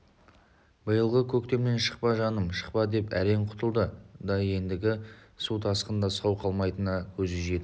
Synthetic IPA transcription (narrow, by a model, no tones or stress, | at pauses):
bəjəlˠʁəkʲʰɵkt̪e̞mme̞nʃə̥qpɑʒɑnəmʃə̥qpɑd̪e̞pæɾe̞ɴqʰʊ̥t̪əlˠd̪əd̪ɑje̞nd̪ɪɡʲɪsut̪ʰɑsqənd̪ɑsɑwqʰɑlˠmɑjt̪ənɑkʲʰɵzʒe̞d̪ɪ